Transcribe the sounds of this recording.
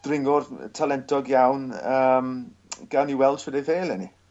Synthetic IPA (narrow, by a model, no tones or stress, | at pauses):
d̥rɪŋʊrtʰalɛntʰɔɡjawnəmɡ̥awniwɛlˠd̥swɛdɛjveːlˠɛni